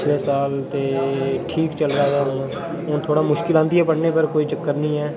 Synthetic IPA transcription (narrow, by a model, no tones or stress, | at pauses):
t͡ʃʰleːsaːlt̪eːʈʰiːkt͡ʃəlɾaːjaːɦʊ̃ | oːt̪ʰoːɽaːmʊʃkɪlãːnd̪ɪjaːpəɽneːpəɾkoːiːd͡ʒəkːəɾnĩːɛː